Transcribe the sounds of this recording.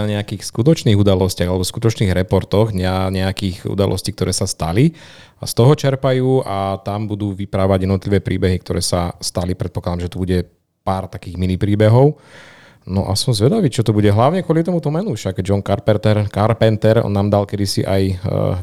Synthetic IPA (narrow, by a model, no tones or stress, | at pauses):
aɲɛakiːxskut̪ɔt͡ʃniːɣud̪alɔscɪaɣalɛbɔskut̪ɔt͡ʃniːɣɾɛpɔɾt̪ɔɣɲɛaɲɛakiːxṵd̪a̰lʔɔ̰sciːk̚t̪ɔɾʔɛːsast̪a̰li | a̰st̪ɔɦɔt͡ʃɛɾpajuːʔat̪ambud̪uːʋipɾaʋaɟjɛd̪nɔt̪liʋɛːpɾʔiːbɛɦik̚t̪ɔɾɛːsast̪alipɾɛt̪̚pɔklad̪amʒɛt̪ubuɟɛ | paːɾt̪akiːɣminipɾiːbɛɦɔʊ | nɔʔa̰sɔmzʋɛd̪aʋiːt͡ʃɔt̪ɔbuɟɛɦlaʊɲɛkʊɔlit̪ɔmut̪ɔmɛnufʃaɡd͡ʒɔnkaɾpɛt̪ɛɾkaɾpɛnt̪ɛɾɔ̰nːaːmd̪alkɛd̪isḭʔa̰j